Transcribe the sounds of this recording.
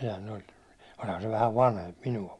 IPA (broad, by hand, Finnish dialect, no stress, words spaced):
sehæn olʲ olʲhɑn se ʋæhæʋ ʋɑnhemp minuɑ